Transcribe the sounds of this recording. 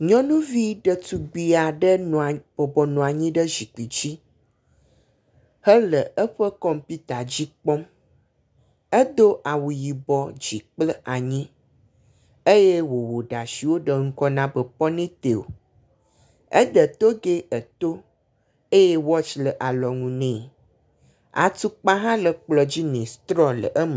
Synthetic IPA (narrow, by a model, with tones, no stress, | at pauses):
ɲɔ̃˦nũ˦vi˦ɖə˨t̪u˨ɡ͡bi˨a˨ɖə˦ñ˨b̥ɔ˨bɔ˨nũ˨a˨ɲĩ˦ɖə˦zi˨k͡pi˨d͡ʑi˦ | hə˦lə˨ə˦ɸə˦kɔ˦mpi˦t̪a˨d͡ʑi˦k͡pɔ˦m | ə˦d̪o˦ʔa˨wu˨ji˨bɔ˨d͡ʑi˨k͡plə˦ʔa˨ɲĩ˦ | e˦je˦wo˨wo˨ɖa˨si˨wo˦ɖə˨ŋ̩˦kɔ˦nã˦bə˨pɔ˦nẽ˦t̪e˨wo̰˨ | ə̰˦ɖə˨t̪o˦ɡe˦ə˨t̪o˦ | e˦je˦wɔ˦t͡ʃlə˨ʔa˨lɔ˨ŋũ˨nɛ̃˦˨ | a̰˨t̪u˦k͡pa˦ɦã˦lə˨k͡plɔ˨d͡ʑi˦nɛ̃˨st̪ɾɔ˦lə̰˨ʔə˦mə˨